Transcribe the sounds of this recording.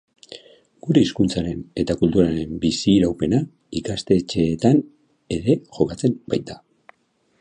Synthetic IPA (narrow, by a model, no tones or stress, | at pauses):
ɡ̥uɾe̞iskunt͡saɾe̞ne̞t̪akult̪uɾaɾe̞mbisiɾawpe̞na | ikast̪e̞t͡ʃe̞ːt̪an | e̞ɾe̞ʝo̞kat͡se̞mbajt̪a